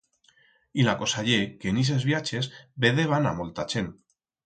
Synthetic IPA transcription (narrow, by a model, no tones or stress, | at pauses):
ilakosaʎekenis̬ezβjat͡ʃezbeðeβ̞ana̰molt̪at͡ʃen